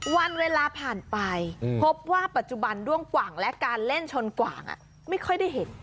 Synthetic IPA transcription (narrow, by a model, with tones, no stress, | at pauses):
wa˧nweː˧laː˧pʰaː˨˩npa˧jpʰo˦˥p̚waː˥˩pa˨˩t̪̚t͡ɕu˨˩ba˧ndu˥˩əŋkwaː˨˩ŋlɛ˦˥kaː˧nle˥˩nt͡ɕʰo˧nkwa̰ː˨˩ŋʔa̰˨˩ | ma˥˩jkʰɔ˥˩jda˥˩jɦe˩˦n